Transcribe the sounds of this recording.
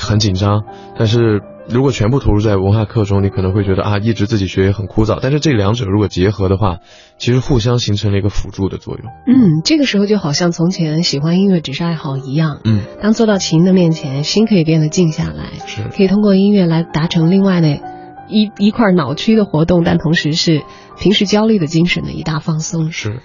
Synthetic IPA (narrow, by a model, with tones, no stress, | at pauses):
xə˧˥nt͡ɕi˨˩nʈ͡ʂɑ˥ŋ | t̪a˥˧nʂ̬ɻ̩˥˩ | ɻu˧˥kwɔ˨˩t͡ɕʰɥɛ˧˥npu˥˩t̪ʰo˧˥ʊu˥˧t͡sa˥˩ɪwə˧˥nxa˥˧kʰɤ˥˩ʈ͡ʂʊ˥ŋni˧˥kʰɤ˨˩˧xwe˥˩ɪt͡ɕɥɛ˧˥d̪ə̰˧ʔa˥˧i˥˩ʈ͡ʂɻ̩˧˥t͡sɹ̩˥˩t͡ɕi˨˩ɕɥɛ˧˥jɛ˧˥xə˨˩nkʰu˥t͡sɑ˥˩ʊt̪a˥˧nʂɻ̩˥˧ʈ͡ʂɤ˥˩ljɑ˧˥ŋʈ͡ʂɤ˨˩ɻu˧˥kwɔ˨˩t͡ɕjɛ˧˥xɤ˧˥d̪ə˧xwa˥˩ | t͡ɕʰi˧˥ʂɻ̩˧˥xu˥˩ɕ̬jɑ˥ŋɕi˧˥ŋʈ͡ʂʰɤ˧˥ŋlə˧i˧˥ɡə˧fu˨˩ʈ͡ʂu˥˩d̪ə˩t͡swɔ̰˥˧jʊ̰˥˩ŋn̩˥˩ʈ͡ʂɤ˥˩ɡə˩ʂɻ̩˧˥o˧ʊt͡ɕjo˥˩ʊxɑ˨˩ʊɕjɑ˥˩ŋt͡sʰʊ˧˥ŋt͡ɕʰɛ˧˥nə˧˥nɕi˨˩xwa˥ni˥nɥɛ˥˩ʈ͡ʂɻ̩˨˩ʂɻ̩˥˧a˥˩ɪxɑ˨˩ʊi˧˥jɑ˥˩ŋn̩˥˩t̪ɑ˥ŋt͡swɔ˥˧ɾɑ˥˩ʊt͡ɕʰi˧˥nd̪ə˧mjɛ˥˩nt͡ɕʰjɛ˧˥nɕi˥nkʰɤ˧˥i˨˩pjɛ˥˩nd̪ə˩t͡ɕi˥˧ŋɕja̰˥˩la̰˧˥ɪʂɻ̩ʰ˥˩ɤ˧˥i˨˩t̪ʰʊ˥ŋkwɔ˥˧i˥nɥɛ˥˩la˧˥ɪt̪a˧˥ʈ͡ʂʰɤ˧˥ŋli˥˧ŋwa˥˩ɪd̪ə˩˥ | i˧˥kʰwa˥˩nɑ˨˩ʊt͡ɕʰy˥d̪ə˨xwɔ˧˥t̪ʊ˥˧ŋt̪a˥˩nt̪ʰʊ˧˥ŋʂɻ̩˧˥ʂɻ̩˥˩ | t̪ʰi˧˥ŋʂɻ̩˧˥t͡ɕjɑ˥ʊly˥˩d̪ə˩t͡ɕi˥ŋʂə˧˥nd̪ə̰˧ḭ˧˥t̪a˥˩fɑ˥˩ŋsʊ˥ŋʂɻ̩˥˩